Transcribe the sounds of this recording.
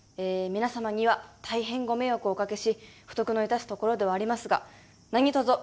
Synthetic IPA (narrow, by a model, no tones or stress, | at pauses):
eːmʲinasamaɲ̟iβat̪ʰaiɦẽ̞ŋɡo̞me̞jokɯ̟okake̞ɕiɸɯ̟t̪o̞kɯ̟no̞it̪asɨ̥t̪o̞ko̞ɾo̞d̪e̞βaːɾʲimasɨɡa̰ | naɲ̟it̪ozo